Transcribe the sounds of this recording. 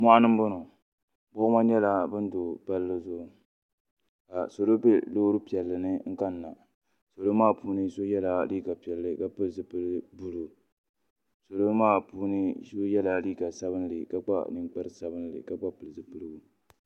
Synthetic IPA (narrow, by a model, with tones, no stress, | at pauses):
mʷa˦ʔa˦nɨ˦m˦bʊ˦nɔ˨ | bʊ˦ma˦ɲɛ˦la˦bɨ˦n̩˦do˨ba˦lːɨ˦zʊ˦˨ | ka˨so˨lo˦be˦lo˦ɾɨ˦pi˨ɛ˨lːɨ˨nɨ˦ŋ̩˦ka˦nː˨a˨ | so˨lo˦maː˦˨pʰuː˦nɨ˦so˦jɛ˦la˨liː˦ɡa˨pi˨ɛ˨lːɨ˦ka˦pɨ˦lzɨ˨pɨ˦lɨ˦bu˦lu˨ | so˨lo˦maː˦˨puː˦nɨ˦so˦jɛ˦la˨liː˦ɡa˨sa˦βɨ˦n˦lɨ̰˨ka˦k͡pa̰˦nɨ˨ŋ͡mk͡pa˦ɾɨ˦sa˦bɨ˦n˦lɨ̰˨ka˦k͡pa˦pɨ˨lɨ˨zɨ˨pɨ˦lɨ˦ɡu˨